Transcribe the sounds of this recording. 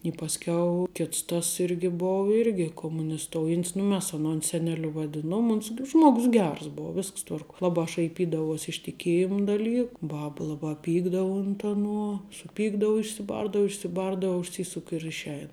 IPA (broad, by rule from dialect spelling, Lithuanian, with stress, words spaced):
ɪ pɐsʲˈkʲɛʊ ˈkʲɪts tɐs ˈɪrʲɡʲɪ ˈboːʊ ˈɪrʲɡʲɪ koːmʊnʲɪsˈtoːʊjɛnʲtʲs nʊ ˈmʲɛs ɐˈnoːn sʲɛnʲɛˈlʲʊ ʋɐˈdʲɪnuɔm ˈʊns k ˈʒmuɔɡʊs ˈɡʲɛrs ˈboːʊ ˈʋʲɪsks ˈtʋɐrkuɔ ˈlˠɑːbɑː ʃɐɪˈpʲiːdɐʋuɔsʲ ɪʃ tʲɪˈkʲeːjɪm dɐˈlʲiːk ˈbɐp ˈlˠɑːbɑː ˈpʲiːɡdɐʊ ʊnt ɐˈnuɔ sʊˈpʲiːɡdɐʊ ɪʃʲsʲɪˈbɐrdɐʊ ɪʃʲsʲɪˈbɐrdɐʊ ʊʃʲˈsʲiːsʊk ɪ ɪr ɪʃʲˈɛɪn